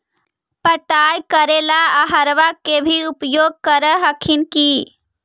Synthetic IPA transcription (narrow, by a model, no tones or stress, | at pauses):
pəʈajkəɾelaaɦəɾʋakːebʱiupjoːɡ̚kəɾəɦəkʰinki